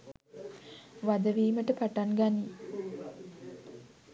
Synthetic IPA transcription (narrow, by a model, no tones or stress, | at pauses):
ʋad̪əʋiːməʈəpaʈanɡani